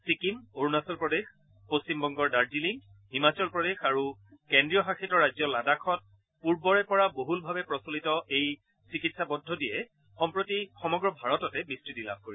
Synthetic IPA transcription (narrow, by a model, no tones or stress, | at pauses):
sikimoɹnasɔlpɹɔdex | post͡ɕimbɔŋɡɔɹdaɹd͡ʒiliŋ | himat͡ʃɔlpɹɔdexaɹu | kendɹijɔxaxʰitɔɹajzɔladakʰɔt̚ | puɹbɔɹɛpɔɹaboɦulbʱabɛpɹɔsolitɔʔej | sikitsabɔdʱːɔdijɛ | xɔmpɹotixɔmɔɡɹɔbʱaɹɔtɔtɛbistɹitila̰b̚ʱkoɹi